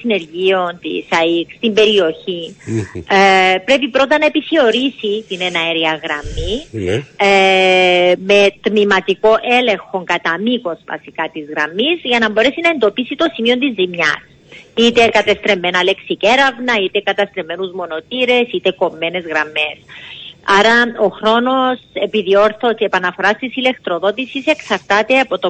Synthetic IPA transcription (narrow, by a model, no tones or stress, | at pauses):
sine̞ɾʝio̞nt̪ḭsɐikst̪imbe̞ɾio̞çi | pɾe̞pipɾo̞nt̪ɐnɐepiθeo̞ɾisit̪inenɐeɾiɐɣɾɐmːi | me̞t̪mimɐt̪iko̞ʔe̞le̞ŋxo̞ŋkɐt̪ɐmiko̞svɐ̰sikɐt̪izɣɾɐmizʝɐnɐmbo̞ɾe̞sinɐe̞nd̪o̞pisit̪o̞simio̞nt̪izːimɲɐ̰s | it̪e̞kɐt̪e̞st̪ɾemːe̞nɐle̞ksiceɾɐvnɐit̪e̞kɐt̪ɐst̪ɾeme̞nuzmo̞no̞t̪iɾe̞sit̪e̞ko̞mːe̞ne̞zɣɾɐmːe̞sɐɾɐoxɾo̞no̞se̞piðio̞ɾθoteepɐnɐfo̞ɾɐst̪isile̞kt̪ɾoðo̞t̪isise̞ksɐɾt̪ɐt̪e̞ɐpo̞t̪o